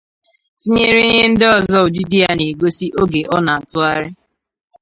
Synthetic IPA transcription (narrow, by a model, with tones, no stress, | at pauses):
si˦ɲe˦ɾi˦ɲe˦n̩˦dɪ˦ɔ˨zɔ˦ʊ˨d͡ʒi˦di˦a˦ne˨ɡo˦si˦ʔo˦ɡe˨ʔɔ˦na˨n̩˨tʊ˦a˦ɾɪ˦